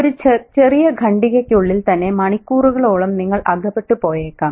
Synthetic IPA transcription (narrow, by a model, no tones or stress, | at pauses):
oɾut͡ɕe̞rijɐɡʱɐɳɖiɣɐkːuɭːilt̪ɐnːe̞mɐɳikːuːruɣɐɭoːɭɐmniŋːɐɭʔɐɡʱɐpːeʈːupo̞ːjeːkːaːm